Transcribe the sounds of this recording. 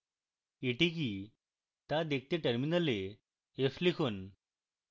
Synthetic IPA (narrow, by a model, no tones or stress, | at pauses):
iʈik̬i | t̪ad̪ek̚ʰt̪eʈəɾminəle | eflikʰon